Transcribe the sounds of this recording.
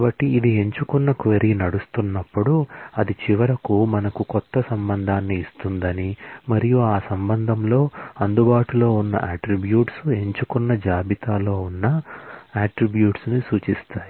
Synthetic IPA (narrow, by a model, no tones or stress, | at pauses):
bɐʈːiːd̪ie̞ɲt͡ʃukunːɐkʋeɾinɐɽust̪unːɐpːuɽuɐd̪it͡ʃiʋɐɾɐkumɐnɐkukɔt̪ːɐsɐmbɐnd̪ʱaːnːiːst̪und̪ɐnimɐɾijuaːsɐmbɐnd̪ʱɐmlo̞ːɐnd̪ubaːʈulo̞ːunːɐ̰ʔaːʈɾibjuːʈsue̞ɲt͡ʃukunːɐd͡ʒaːbit̪aːlo̞ːunːɐaːʈɾibjuːʈsnusuːt͡ʃist̪aːji